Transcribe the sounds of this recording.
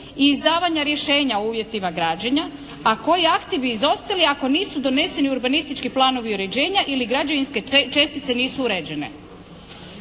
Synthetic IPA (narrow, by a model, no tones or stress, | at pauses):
iːzd̪aːʋaɲaɾje̞ʃe̞ːɲaouːʋje̞t̪imaɡɾaːd͡ʑeɲa | ako̞jiakt̪ibiːzo̞st̪aliako̞niːsud̪o̞ne̞se̞niuɾbanist̪it͡ʃkiplˠaːno̞ʋiuɾe̞d͡ʑe̞ːɲaʔiliɡɾad͡ʑaʋinske̞t͡ʃe̞st̪it̪se̞niːsuuɾeːd͡ʑe̞ne̞̰